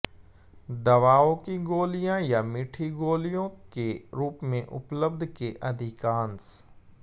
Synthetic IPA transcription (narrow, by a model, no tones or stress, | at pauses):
d̪ɐʋaːõkiɡoːlijãjamɪʈʰiɡoːlijõkeɾuːpmẽʔʊ̰pləbd̪ʱkeʔɐd̪ʱɪkaːns